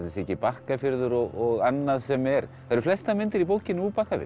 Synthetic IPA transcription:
ðɪsɛhcɪpahkafɪɾðʏɾɔɣɔɣanːaðsɛmɛɾ | θaɾflɛst̪amɪnt̪ɪɾipoːwcɪnːuːpahkafɪ̰ɾ

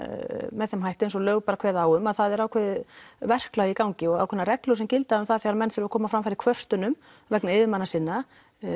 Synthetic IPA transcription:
mɛðθɛmɦajht̪ɪns̬ɔlœːɣpaɾakʰvɛːðaːwʏmaðθaðɛɾaːwkʰvɛːðvɛr̥klaɣikawɲcɪɔɣa̰wkʰʏnːaɾɛklʏsɛmcɪlt̪aʏmθaðθjɛɣɾamɛnt̪θɪɾʏvakʰɔːmafɾamfaɾɪɾ̥kʰvœr̥t̪ʏnʏm | vɛknaɪðɪmanːasɪnːa

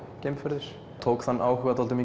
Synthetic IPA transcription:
cejmfɛɾðʏɾ̥ | t̪ʰoːwkθanːʔaːwɦʏɣat̪ʰɔlt̪ʏmi

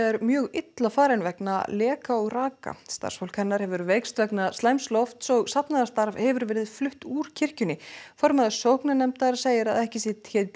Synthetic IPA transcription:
ɛɾmjœːɣɪt̪lafaːɾɛjnvɛkna̰lɛːkaɔɣraːka̰st̪a̰rsfowl̥kʰɛnːaɾhɛvʏɾvejkst̪vɛknast̪lajmslɔft̪sɔɣsapnaðast̪aɾvhɛvʏɾvɛːɾɪðflʏht̪uːɾ̥cʰɪr̥cʏnɪfɔɾmaðɪsowhknanɛmt̪aɾseːjɪɾa̰ðɛhcɪsɛt̪çɛt̪

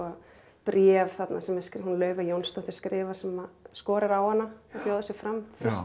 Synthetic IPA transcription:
ɔ | pɾjɛvθat̪nasɛmɛskɦunlœːɥvajownst̪ɔht̪ɪ̥ɾ̥skɾɪːvaɾ̥sɛmaskɔːɾaɾawhanːaɔcjoːðʏsjɛfɾamfɪs

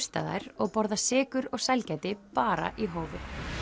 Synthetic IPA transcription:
st̪a̰ːða̰jɾ̥ɔɣpɔɾðasɪːkʏɾɔɣsajlcɛjt̪ɪpaːɾa̰ʔiɦoːwvɪ

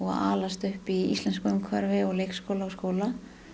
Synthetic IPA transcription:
ɔɣa̰ːlast̪ʏhpiḭst̪lɛnskʏmkʰvɛɾvɪɔɣlejkskowlaɔɣskoːwla

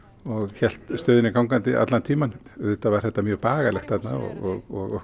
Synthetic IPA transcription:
ɔɣçɛl̥t̪st̪œːðɪnɪkʰawŋkant̪ɪʔa̰t̪lant̪ʰiːmanðɛht̪ːavaɾ̥θɛht̪ːamjœːɣpaːɣalɛxt̪θɛt̪na̰ɔ̰ɣɔɣɔɣɔ

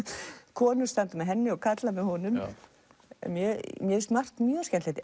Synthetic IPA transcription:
kʰɔːnʏst̪ant̪ʏmɛðɦɛnːɪɔɣkʰat̪lamɛðhɔnʏm | ɛ̰mjɛmjɛɪst̪mar̥k̪mjœːscɛnt̪ɛht̪ɪ

